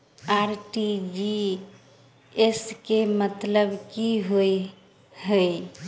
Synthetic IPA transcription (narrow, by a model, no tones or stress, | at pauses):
aɾʈid͡ʒi | eskemət̪ləbkiɦoj | həj